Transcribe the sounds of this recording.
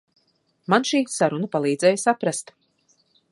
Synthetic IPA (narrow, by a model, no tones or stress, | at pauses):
manʃiːsaɾunapalˠiːd̪zɛjsapɾast̪